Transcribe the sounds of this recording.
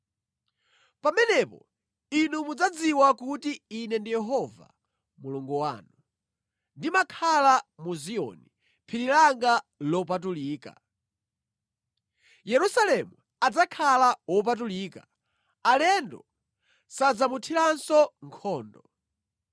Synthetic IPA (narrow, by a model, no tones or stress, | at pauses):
pamɛnɛpɔ̰ | inumud͡zad͡ziwakutiːnɛndijɛɦɔva̰ | muluŋɡɔwa̰ːnu | ndimakʰalamuziɔ̰ni | pʰiɾilaŋɡalɔp̬at̬uliːka̰ | jɛɾusalɛmu | ad͡zakʰalawɔp̬at̬uliːka | alɛndɔ | sad͡zamutʰiɾansɔŋkʰɔːndɔ